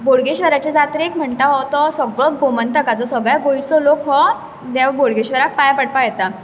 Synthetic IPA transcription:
boɭɡeɕʋəɾat͡ɕed͡zat̪ɾekm̤əɳt̪aɦɔt̪ɔsəɡbəɡomənt̪əkad͡zɔsəɡɭaɡoisɔlokɦɔ | d̪aʋboɭɡeɕʋəɾak̚pajapəɽpajɛt̪a

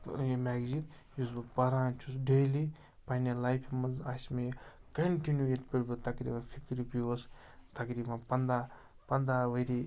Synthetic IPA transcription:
jmɛːɡzit̪ | jusbɨpɐɾãːt͡ʃʰus̬ɖeli | pɐnelajpʰimɐzasmekɐɳʈinjueʈpiɽbɨt̪ɐkɾḭːbɐnfʰikɾipiɐs | t̪ɐkɾiːbɐnpɐnd̪aː | pɐnd̪aːʋɐɾi

